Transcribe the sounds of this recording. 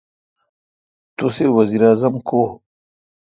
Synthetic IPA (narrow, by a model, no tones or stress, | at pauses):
t̪usewɐziːɾaːzɐmko